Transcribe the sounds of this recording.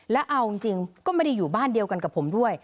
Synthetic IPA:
lɛ˦˥wʔa˧wi˧ŋt͡ɕi˧ŋkɔː˥˩ma˥˩da˧˥jːuː˨˩baː˥˩ndi˧əwka˧nka˨˩pʰːo˩˦mdu˥˩əj

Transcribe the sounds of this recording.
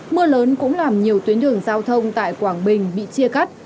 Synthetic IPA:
mɨ˧ələː˨˦nkʊ̰˧˥ŋ͡mlaː˨˩mɲi˨˩əwt̪wənɗɨ˨˧˩əŋzaː˧wt̪ʰə˧wŋ͡mt̪a̰ː˧˨jkwaː˧˩ŋɓï˨˩ŋ̟ɓḭ˧˨t͡ɕi˧əka˦˥jt̚

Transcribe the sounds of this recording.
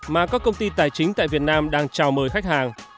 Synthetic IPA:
maː˨˩kɔ˨˦kə˧wŋ͡mt̪i˧t̪aː˨˩jt͡ɕï˨˦ŋ̟t̪a̰ː˧˨jvi˨˩ət̚naː˧mɗaː˧ŋt͡ɕaː˨˩wməː˨˩jxa˦˥k̚haː˨˩ŋ

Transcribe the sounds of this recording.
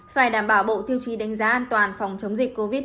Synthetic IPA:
faː˧˩jɗaː˧˩mɓaː˧˩wɓo̰˧˨t̪ʰi˧wt͡ɕi˨˩ɗa˨˦jŋ̟zaː˨˦ʔaː˧nt̪waː˨˩nfɔ˨˩wŋ͡mt͡ɕə˨˦wŋ͡mzï˨˩k̟ko˧vi˦˥t̚

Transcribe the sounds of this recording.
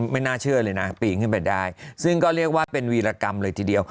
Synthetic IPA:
ma˥˩jnaː˥˩t͡ɕʰɯ˥˩ɐlɤː˧jna˦˥piː˨˩kʰɯ˥˩npa˧jdaː˥˩jsɯ˥˩ŋkɔː˥˩ɾi˥˩ək̚waː˥˩pe˧nwiː˧laː˧ka˧mlɤː˧jt̪ʰiː˧di˧əw

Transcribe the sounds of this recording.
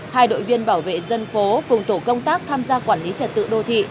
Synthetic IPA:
haː˧jɗo̰˧˨jvi˧ənɓaː˧˩wvḛ˧˨zə˧nfo˨˦fʊ˨˩ŋ͡mt̪o˧˩kə˧wŋ͡mt̪aː˦˥k̚t̪ʰaː˧mzaː˧kwaː˧˩nli˨˦t͡ɕə˨˩t̚t̪ɨ̰˧˨ɗo˧t̪ʰḭ˧˨

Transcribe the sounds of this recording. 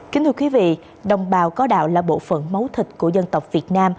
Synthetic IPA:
ki˨˦nt̪ɨ˧˩kwi˨˦vḭ˧˨ | ɗə˨˩wŋ͡mɓaː˨˩wkɔ˨˦ɗa̰ː˧˨wlaː˨˩ɓo̰˧˨fə̰˧˨nmə˨˦wt̪ʰï˨˩t̚ku˧˩əzə˧nt̪ə˨˩wk͡p̚vi˨˩ət̚naː˧m

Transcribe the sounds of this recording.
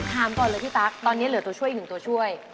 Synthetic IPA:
t̪ʰaː˧˩mkɔ˧nlɨ˨t̪ʰi˧˥t̪aː˨˦˥k̚ɗ̪ɔ˧ni˨˧˥lɨ˨˩ət̪o˨˧˩t͡ɕʰu˧əji˧ɨ˨˩ŋt̪o˧˩t͡ɕʰu˧əj

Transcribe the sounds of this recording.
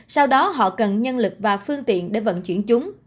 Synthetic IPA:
sa˧wɗɔ˨˦ɦɔ̰˧˨kə˨˩nɲə˧nlɨ˨˩k̚vaː˨˩fɨ˧əŋt̪ḭ˧˨ənɗe˧˩və̰˧˨nt͡ɕwḭ˧˩ənt͡ɕʊ˨˦ŋ͡m

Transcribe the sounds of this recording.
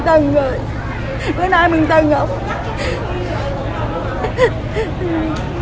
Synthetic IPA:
t̪ə˨˩ŋzoː˨˩j | kəː˨˦na˧jmɨ̈˨˩ŋt̪ə˨˩ŋə˧˨˦wŋ͡m

